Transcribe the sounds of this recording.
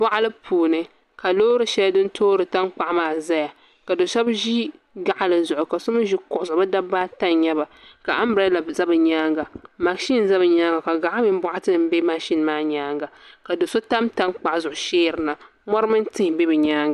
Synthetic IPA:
bɔ˦ʔa˦lɨ˦pʰuː˨nɨ˦ | ka˨loː˦ɾɨ˨ʃɛ˦a˦dɨ˦n˦tʰoː˦ɾɨ˨ta˦nk͡pa˨ʔmaː˨za˦ja˨ | ka˨do˨sɛ˦bʒi˦ | ɡa˨ʔa˦lɨ˨zʊ˨ʔʊ˨ka˨so˦mɨ˦ʒi˦kʊ˨ʔʊ˨sʊ˨bɨ˦da˦ba˦ta˦nɲɛ˦ba˨ka˨ʔa˦mbɾa˦la˨za˦bɨ˨ɲaː˦ŋɡa˨ma˨ʃi˦n˨za˦bɨ˨ɲaː˦ŋɡa˨ka˨ɡa˨ʔa˦mi˦m˦bʊ˦ʔa˦tɨ˦˨m̩˦be˦ma˦ʃi˦nmaː˦ɲaː˦ŋɡa˨ka˨do˨so˦ta˦mta˦nk͡pa˨ʔzʊ˨ʔʊ˨ʃeː˦˨ɾɨ˨na˨ | mɔ˦ɾɨ˦mɨ˦n˦tɪ˦hbe˦bɨ˨ɲaː˦ŋɡa˨

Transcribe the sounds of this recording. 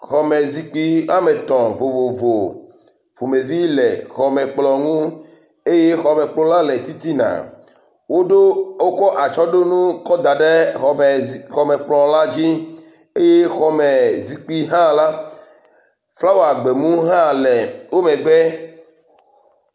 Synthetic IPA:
xɔ˨me˨zi˨k͡pi˦a˦mɛ˨t̪ɔ̃˨vo˨vo˨vo˨ | vo˨me˨vi˦lɛ˨xɔ˨mɛ˨k͡plɔ˨ŋũ˦ | e˦je˦xɔ˨mɛ̃˨k͡plɔ̃˦la˦lɛ˨t̪i˦t̪i˦nã̰˨ | wo˦ɖo˦wo˦kɔ˦ʔa˨t͡ʃɔ˦ɖo˦nũ˦kɔ˦d̪a˨ɖe˦˨ | xɔ˨mɛ˨k͡plɔ˨la˦d͡ʑi˦ | e˦je˦xɔ˨me˨zi˨k͡pi˦ɦã˦la˦ | fla˦wo˨a˨ɡ͡be˨mũ˦ɦã˦lɛ˨wo˦mɛ̃˨ɡ͡bɛ˦

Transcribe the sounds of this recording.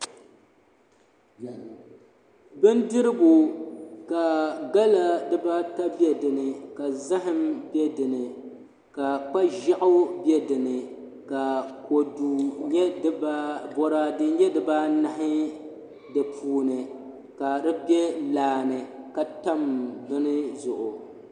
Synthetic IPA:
bɨ˦ndɨ˦ɾɨ˦bʊ˨ka˨ɡa˦la˦dɨ˦ba˦ta˦bɛ˦dɨ˨nɨ˨ka˨za˦ɦɪ˦mbjɛ˦dɨ˨nɨ˨ | ka˨k͡pa˦ʒa˦ʔʊ˦bjɛ˦dɨ˨nɨ˨ | ka˨ko˨du˨ɲɛ˦bɔ˨ɾa˦dɨ˦ɲɛ˦dɨ˨ba˦na˦ɦɪ˦ | dɨ˨pʰuː˨nɨ˨ | ka˨dɨ˦bjɛ˦laː˨nɨ˨ka˨ta˦mbɨ˦nɨ˦zʊ˨ʔʊ˨

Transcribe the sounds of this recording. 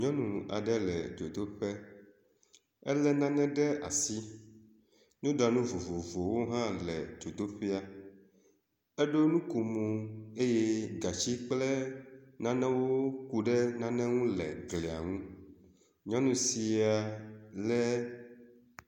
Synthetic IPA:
ɲɔ̃˦nũ˨a̰˨ɖɛ˦lɛ̰˨d͡ʒo˨d̪o˦ɸɛ˦ | ɛ˦lɛ˦nã˦nɛ̃˦ɖɛ˦a̰˨si˦ | nũ˦ɖa˨nũ˦vo˨vo˨vo˨wo˦ɦã˦lɛ̰˨d͡ʒo˨d̪o˦ɸe˦a˦ | e˦ɖo˦nũ˦ku˨mo˨e˦je˦ɡa˨t͡ɕi˦k͡plɛ˦nã˦nɛ̃˦wo˦ku˦ɖɛ˦nã˦nɛ̃˦ŋũ˦lɛ̰˨ɡlɛ˨a̰˨ŋũ˦ | ɲɔ̃˦nũ˨si˨a˨lɛ˦

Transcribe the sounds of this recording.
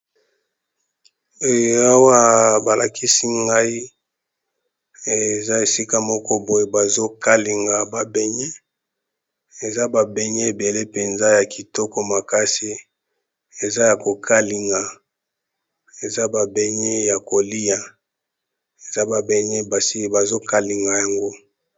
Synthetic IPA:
o˦ja˦wa˦ba˨lʔa˨kʰi˦si˦ŋɡa˦i˦ | e˨za˦e˨si˦ka˦mɔ˦kɔ˦bo˨je˨ba˨zo˦ka˦li˨ŋɡa˨ba˨bɛ˦ɲe˦ | e˨za˦ba˨be˨ɲe˦e˨be˨le˦pe˨nza˦ja˨ki˨tɔ˦kɔ˦ma˨ka˦si˦ | e˨za˦ja˨ko˨kʰa˦li˨ŋɡa˨ | e˨za˦ba˨be˨ɲe˦ja˨ko˨li˦ja˨ | e˨za˦ba˨be˨ɲe˦ba˨si˦˨ba˨zo˦ka˦li˨ŋɡa˨ja˨ŋɡo˦

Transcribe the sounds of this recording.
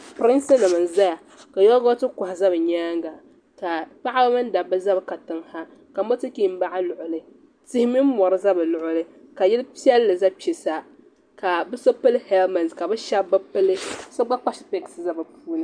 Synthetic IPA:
pɾɪ˦nsɨ˦nɨ˨mɨ˨n˨za˦ja˨ | ka˨jɔ˦ɡo˦tɨ˦kʊ˨ha˨za˦bɨ˨ɲaː˦ŋɡa˨ | ka˨pa˦ʔa˦ba˦mɨ˦n˦da˨bɨ˦za˦bka˨tɨ˨ŋha˦ | ka˨mo˦tɨ˦ki˦m˦ba˦ʔa˦lʊ˨ʔʊ˨lɨ˦ | tɪ˦hɪ˦mɨ˦m˦mɔ˨ɾɨ˦za˦bɨ˨lʊ˨ʔʊ˦lɨ˦ | ka˨jɛ˦lpi˦ɛ˦lːɨ˨za˦pi˨sa˦ | ka˨bɨ˦so˦pɨ˦lhɛ˦lma˨nska˨bɨ˦ʃa˦bba˦pɨ˦lɨ˦so˦ɡ͡ba˦k͡pa˦ʃɪ˨pɛ˦ksɨ˨za˦bɨ˨pʰuː˦nɨ˦

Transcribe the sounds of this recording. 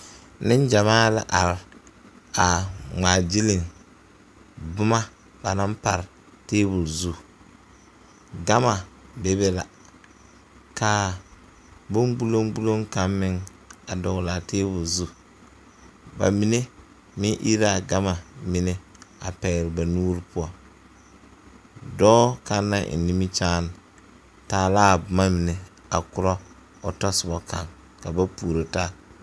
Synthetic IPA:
nɪ˦n˦d͡ʒa˨maː˦la̰˦ʔa˨ɾ | a˨ŋaː˨d͡ʒi˦lɪ˨ŋ | bʊ˦ma˦ | ba˨na˦mpa˨ɾ | teː˦bu˨lzu˦ | ɡa˦ma˨be˨be˦la˨ | ka˨ | bo˦mɡ͡bu˦lo˦ŋɡ͡bu˦lo˦ŋka˦mːɪ˦ŋ | a˨dɔ˨ɣla˨teː˦bu˨lzu˦ | ba̰˨mi˨ne˦ | mɪ˦ʔi˦ɾa˦a˨ɡa˦ma˨mɪ˨ne˦a̰˨pɛː˨ɾɪ˨ba˨nuː˦ɾi˦pʊ˦a˨ | dɔː˦ka˨nːa˦ʔɪ̰˨ni˦mi˦t͡ʃaː˦n˨ | taː˨laː˦˨bʊ˨ma˦mɪ˨ne˨ | a̰˨kʊ˨ɾɔ˦ | ɔ˨tɔ˦sʊ˨bɔ˨ka̰˨ŋ | ka˨ba˦puː˨ɾo˨ta˦

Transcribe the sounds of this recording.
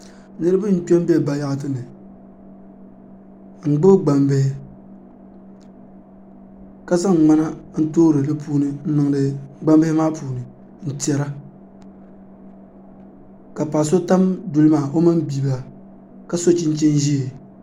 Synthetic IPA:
nɨ˦ɾɨ˦ba˦n̩˦pɛ˦m˦bɛ˦˨ba˨ja˦ʔt̬ɨ˦nɨ˨ | ŋ͡m̩˨ɡ͡bɨ˦bɡ͡ba˨mbe˦hɪ˦ | ka˨za˦ŋ˨ŋ͡ma˦na˦n̩˦toː˦ɾɨ˨lɨ˦puː˦nɨ˦n̩˦nɨ˨ŋ˦dɨ˨ɡ͡ba˦mbe˦ɪ˦maː˦puː˨nɨ˨ | n̩˨ti˨ɛ˨ɾa˦ | ka˨pa˨s̬o˦ta˦mdu˨lɨ˦maː˦˨ʔo˦mɨ˦mbi˨ba˨ | ka˨so˦t͡ʃi˦n˦t͡ʃi˦nʒi˦e˨

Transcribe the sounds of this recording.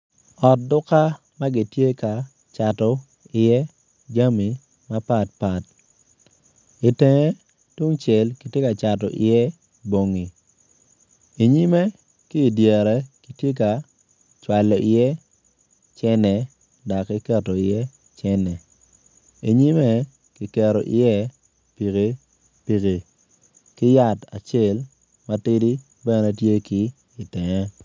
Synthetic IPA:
ɔ˨t̚dʊ˦ka˦ | ma˦ɡɪ˨tje˦ka˨ | t͡ʃa˨tɔ˨ | ɪ˨jɛ˦ | d͡ʒa˦mi˨ | ma˦pa˦˨t̚pa˨t | i˨te˨ŋe˦ | twu˦ŋt͡ʃɛ˨lki˨tje˦ka˨t͡ʃa˨tɔ̰˨ʔɪ̰˨jɛ˦ | bo˨ŋi˨ | i˨ɲi˦me˦ | kɪː˦˨dje˨ɾɛ˨ki˦tje˦ka˨ | t͡ʃwa˨lɔ˨ʔɪ˨jɛ˦ | t͡ʃɛ˦nɛ˨ | da˨kɛ˦kɛ˦tɔ˨ɪ˨jɛ˦ | t͡ʃɛ˦nɛ˨ | i˨ɲi˦mɛ˦ | ki˨kɛ˨ɾɔ˨ʔɪ̰˨jɛ˦ | pi˨ke˨ | pi˨ke˨ | kɪ˦ja˦˨ta̰˨t͡ʃe˦˨l | ma˦tɪ˦di˦ | bɛ˦nɛ˦tje˦ki˦ | i˨tɛ˨ŋɛ˦

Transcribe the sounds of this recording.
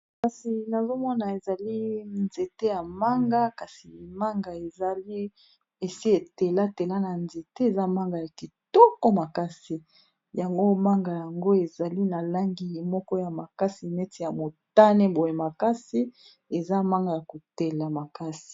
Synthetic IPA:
ka˨si˨na˨zo˦mɔ˦na˨e˨za˨li˦nze˨te˦ja˨ma˦ŋɡa˦ka˨si˨ma˦ŋɡa˨e˨za˨li˦ | e˨si˦e˨te˨la˦te˨la˦na˨nze˨te˦e˨za˦ma˦ŋɡa˨ja˨ki˨tɔ˦kɔ˦ma˨ka˦si˨ | ja˨ŋɡo˦ma˦ŋɡa˨ja˨ŋɡo˦e˨za˨li˦na˨la˦ŋɡi˦˨mɔ˦kɔ˦ja˨ma˨ka˦si˨mɛ˦ti˨ja˨mo˨ta˦ne˦bo˨je˨ma˨ka˦si˦ | e˨za˦ma˦ŋɡa˨ja˨ko˨te˨la˨ma˨ka˦si̥˨

